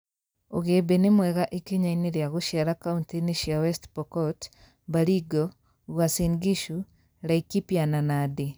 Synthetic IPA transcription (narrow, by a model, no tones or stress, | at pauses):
oɣebenemwɛɣaʔekiɲaineɾjaɣoʃjaɾakauntiniʃiawɛstpɔkɔt | baɾiɡɔ | ɣwasiŋɡiʃu | ɾaikipjananade